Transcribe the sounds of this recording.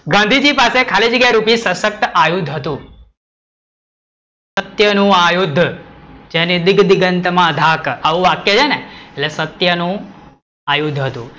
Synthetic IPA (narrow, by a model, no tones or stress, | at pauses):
ɡãnd̪ʱid͡ʒipasekʰalid͡ʒəɡaɾupisəsək̚t̪əajud̪ʱɦət̪ũ | sət̪jənũajud̪ʱːd͡ʒenid̪ɪɡd̪ɪɡənt̪mãəd̪ʱakaʋũʋakjət͡ʃʰeneelesət̪jənũ | ajud̪ʱɦət̪ṵ̃